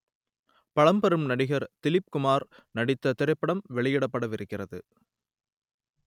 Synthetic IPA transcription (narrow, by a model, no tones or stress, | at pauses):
pɐɻɐmbɐɾɯmnɐɽɪɣɐɾt̪ɪlɪp̚kʊmaːɾnɐɽɪt̪ːɐt̪ɪɾɐɪpːɐɽɐmʋɛɭɪjɪɽɐpːɐɽɐʋɪɾɯkːɪrɐðɯ